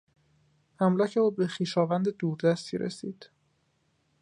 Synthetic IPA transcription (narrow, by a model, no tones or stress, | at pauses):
hæmlɒːcʰeuːbe̞xiːʃɒːvænd̪ed̪uːɾd̪æst̪ʰḭɾḛsḭːd̪̥